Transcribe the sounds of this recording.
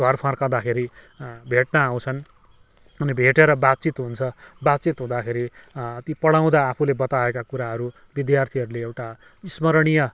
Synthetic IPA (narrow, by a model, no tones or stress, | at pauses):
dʱwʌrpʰãrkãwd̪akʰeɾi | bʱeʈnaaw̃t͡sʰʌn | ʌnibʱeʈeɾʌbat̪̚t͡sit̪ɦunt͡sʰʌbat̪̚t͡sit̪ɦũd̪akʰeɾit̪ipʌɽaw̃d̪aːpʰulebʌt̪aekakuɾaɦʌɾu | bid̪jart̪ʰiʌɾuleewʈa | ismʌɾɽ̃ijʌ